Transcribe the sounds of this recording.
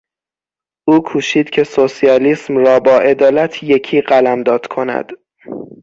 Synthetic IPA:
ʔuːkʰuːʃiːd̪̥cʰe̞sosijɒːliːsmrɒːbɒːʔe̞d̪ɒːlæt̪ʰje̞cʰiːɢælæmd̪ɒːd̪̥kʰo̞næ̰d̪̥

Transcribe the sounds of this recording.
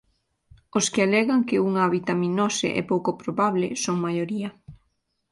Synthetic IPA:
oskɪalɛɣaŋkɪuŋaβit̪aminɔsɪ̰ʔɛ̰powkopɾoβaβlɪsoŋmajoɾiɐ

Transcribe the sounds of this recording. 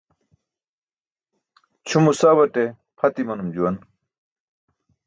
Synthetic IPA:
t͡ɕʰumusaːβɐʈe | pʰɐt̪imɐnumd͡ʑuwɐn

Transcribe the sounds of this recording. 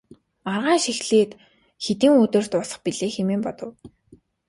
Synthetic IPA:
arʁaːŋʃixɮeːt̪ | xet̪ĭːŋɵt̪ɵ̆r̥t̪ʊsə̆χpiɮeːxemeːmpɔt̪ɞ̆w

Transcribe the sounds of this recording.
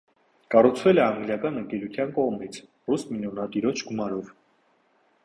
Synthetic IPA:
kɑrut͡sʰvɛlɛɑŋɡljɑkɑnəŋkɛlut̪ʰjɑnkɔʁmit͡sʰ | rusminjɔnɑt̪iɾɔt͡ʃʰɡumɑɾɔv

